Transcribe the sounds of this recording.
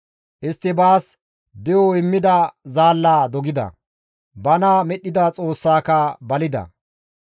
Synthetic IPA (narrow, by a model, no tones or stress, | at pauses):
ʔɪst̪ːɪbaːs | d̪ɪjɔɪmːɪd̪ɐzaːlːaːd̪ɔɡɪd̪ɐ̰ | bɐnɐmɛɗːɪd̪ɐt͡sʼo̞ːsːaːkɐbɐlɪd̪ɐ̰